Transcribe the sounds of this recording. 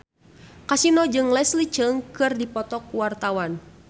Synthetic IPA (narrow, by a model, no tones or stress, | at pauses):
kasinɔd͡ʒɨŋlɛslit͡ʃəŋkɨrdipɔt̪ɔkuwart̪awan